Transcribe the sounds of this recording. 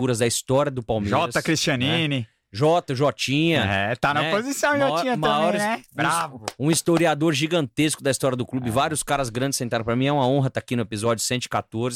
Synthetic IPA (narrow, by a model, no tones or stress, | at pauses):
uɾɐzd̪ɐist̪ɔɾjɐd̪ʊpawmeʒɔɾɐsɐkɾist͡ʃɐ̃nĩnɪ | ʒɔt̪ɐʒɔt͡ʃĩɲɐɛ̰t̪anɐpozisɐ̃w̃ʒɔt͡ʃĩɲɐmɐ̃aɔɾɛbɾavʊũist̪oɾiad̪oɾʒiɡɐ̃nt̪eskʊd̪ɐist̪ɔɾjɐd̪ʊklubɪvaɾiʊskaɾɐzɡɾɐ̃d͡ʒɪsẽt̪aɾɐ̃pɾɐmĩɛũmɐõɦɐt̪akinʊepizɔd͡ʒʊsẽnt̪ʊɪ̥kat̪oɾz